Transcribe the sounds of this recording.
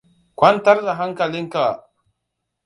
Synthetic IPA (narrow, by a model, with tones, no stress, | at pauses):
kʷa˦n˦ta˦ɾda˨ɦa˦ŋka˨li˦ŋka˨